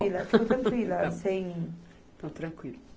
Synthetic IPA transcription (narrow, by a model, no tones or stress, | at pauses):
ilɐfikowt̪ɾɐ̃ŋkwilɐsẽj̃ | t̪ɐ̃t̪ɾɐ̃kwilɐ